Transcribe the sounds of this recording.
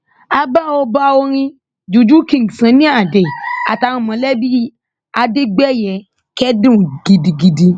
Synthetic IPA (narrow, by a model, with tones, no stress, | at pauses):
a˧ba˦o˧ba˦o˧ɾ̃ĩ˧ | d͡ʒu˨d͡ʒu˦kĩ˨sã˨˦nĩ˦a˦˨de˨a˨ta˧ɾ̃ũ˦˨mã˨˦lɛ˦bi˦ | a˧de˦ɡ͡bɛ˦˨jɛ˨ | kɛ˦dũ˦˨ɡi˧di˧ɡi˧di˧